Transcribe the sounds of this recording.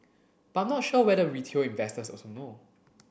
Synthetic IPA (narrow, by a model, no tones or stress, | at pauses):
b̥aãmnɔtʃowɛdəɹitʰelĩnvɛstəsɔ̰sono